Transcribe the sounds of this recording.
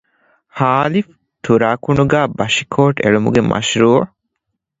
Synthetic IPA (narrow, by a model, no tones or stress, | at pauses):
haːlif | t̪ʰuɾaːkuɳuɡaːbɐʃikʰoːʈḛɭumṵɡemʔɐ̰ʃɾuː